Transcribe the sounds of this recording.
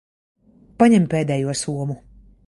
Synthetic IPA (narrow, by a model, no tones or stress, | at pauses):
paɲɛmpeːd̪ɛːjuɔsuɔmu